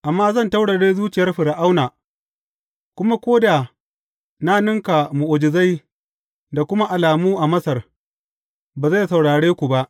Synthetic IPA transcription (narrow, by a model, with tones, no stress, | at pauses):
ʔa˨mːaː˦zɐ˦˨nta˦wɽa˨ɽeː˦zuː˦t͡ʃɪ˨jɐ˦rɸɪ˨ɽa˨ʔa˦wnaː˨ | kʷʊ˦ma˦kʷoː˦da˨ | na˦nʊ˦ŋka˨mu˨ʔʊ˨d͡ʒɪ˨za˦j | da˨kʷʊ˦ma˦ʔa˨laː˨muː˦ʔa˨mɐ˦sɐ˨r | baː˨za˦˨sa˨wɽaː˨ɽeː˦kʷu˨ba˦ʔ